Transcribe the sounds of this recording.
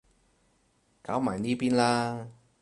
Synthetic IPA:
kaː˨˥wmaː˨˩jniː˥piː˥nlaː˥

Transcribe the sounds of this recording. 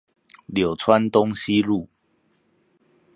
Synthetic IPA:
ljo˨˩ʊt͡sʰwa˦nt̪o˦ŋɕi˦lu˥˨

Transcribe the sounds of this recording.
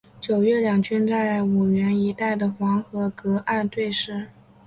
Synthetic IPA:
t͡ɕjo˨˩ʊɥɛ˥˩ljɑ˨˩ŋt͡ɕʰy˥nt͡sa˥˩ɪa˧˥˩ɪu˨˩ɥɛ˧˥ni˧˥t̪a˥˩ɪd̪ə˩xwɑ˧˥ŋxɤ˧˥kɤ˧˥ʔa˥˧nt̪we˥˧ɪʂɻ̩˥˩

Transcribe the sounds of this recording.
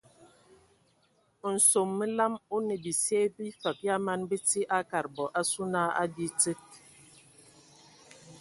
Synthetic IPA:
n̩˨so˨mːi˦la˦mu˦ne˨bi˨se˦bi˦fa˨p̚ja˦ma˦nbi˦ti˦ʔa˦ka˨ɾbɔ˨ʔa˦su˦na˦a̰˦di˦t͡se˦t̚

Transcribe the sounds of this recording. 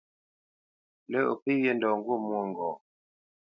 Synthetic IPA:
lə˦˨ʔo̰˨pi˦je˦˨ndɔ˨ŋ˦ɡu˦˨mu˦˨ŋ˨ɡɔː˨

